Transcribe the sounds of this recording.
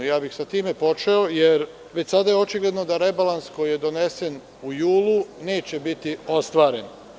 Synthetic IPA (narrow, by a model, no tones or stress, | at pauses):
jaːbixsat̪iːme̞po̞t͡ʃeojeɾ | ʋe̞t͡ɕʲsad̪ajeo̞t͡ʃiɡle̞d̪no̞d̪aɾe̞balˠansko̞jije̞d̪o̞ne̞se̞n | ujuːlˠune̞ːt͡ɕe̞bit̪io̞st̪ʋaːɾe̞n